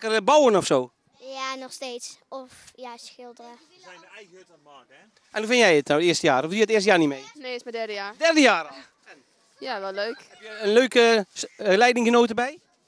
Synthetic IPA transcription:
kərbowənɔfsoː | janɔxsteːsɔf | jasxɪlˠdərə | ɛjəɛjɣəøtɔmak | ʔɛnhufɪnjɛjɪtnawtɪəstəjaːɾɔfdjɛtɪəst̬əjaːrnimeːneɪsmadɛrdəjaːdɛrdəjaːr | n | jaʋɛlløːk | jənløːkə | lɛjdɪŋxənoːtəbɛj

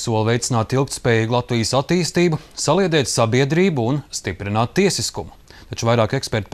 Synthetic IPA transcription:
suɔlˠvɛjt̪ɪnaːt̪ilˠkt̪spɛːjiːɡlˠat̪vijəsat̪ːiːst̪iːbusaliɛd̪ɛːt̪sabiɛd̪ɾiːbuunst̪ipɾinaːt̪ːiɛsiskumʊ | t̪at͡ʃuvajɾaːkɛkspɛɾt̪̚

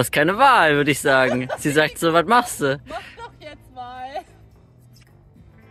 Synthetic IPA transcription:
hast̚kʰaɪnəvaːlvʏɐɾəɪçz̥aːɡŋ̩z̥iːzaːk̚tz̥oːvatmaχsd̥uː

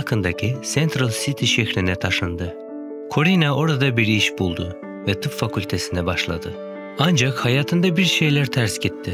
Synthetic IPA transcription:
kʰɯnd̪acʰisɛnt̪ɾalʲˠsit̪ʰiʃɛçɾinɛt̪ʰaʃɯnd̪ɯ | kʰo̞ɾinao̞ɾad̪abiɾiʃbulˠd̪ʊ | vɛt̪ʰɯpfakʰulʲt̪ʰe̞sind̪ɛbaʃlˠa̰d̪ɯ | and͡ʒakhajaːt̪ʰɯnd̪abiɾʃe̞jlʲæɾt̪ʰæɾsɟit̪ʰːɪ

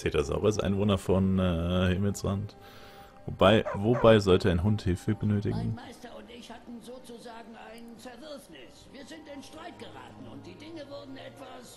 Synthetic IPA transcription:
t͡seːtɐza̰ʊʁasʔa̰ɪnvoːnɐfɔnːhɪmɪlsʁa̰nt | vobaɪvobaɪzɔltəaɪnɦʊnthɪlfəbənøːtɪ̰ɡŋ̩maɪstɐʊntɪçhatn̩zoːt͡suzaːɡŋ̩ʔaɪnnt͡sɛɐdɪɐfnɪsviːɐzɪntɪnʃtʁ̥aɪt̚ɡ̥əʁa̰ːtn̩ʊnt̚d̥iːdɪŋəvʊɐdn̩ʔɛtv̥as

